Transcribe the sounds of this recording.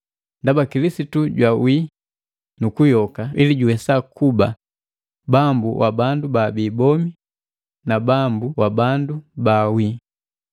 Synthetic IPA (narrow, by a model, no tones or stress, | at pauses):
ndabakilisituɟwawi | nukujɔkailiɟuwɛsakuba̰ | bambuwʔa̰bandubabiːbɔmi | nabambuwabandubawi